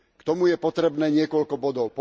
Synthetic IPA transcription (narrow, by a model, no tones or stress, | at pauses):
kt̪ɔmujɛpɔt̪ɾɛbnɛːɲɪɛkɔʎkɔbɔd̪ɔʊpɔ